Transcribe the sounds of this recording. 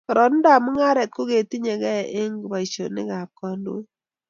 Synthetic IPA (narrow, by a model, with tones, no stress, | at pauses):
kɔ˨ɾɔ˨n˦da˨mʊ˦ŋa˦ɾɛ˨t̪̚ko˦ɡe˨ti˦ɲe˨ɡɛ˦˨ʔɪ˦ŋɡba˨i˨t͡ʃo˨nɪ̰˦ɡa˨p̚kɔ˦ndo̰˦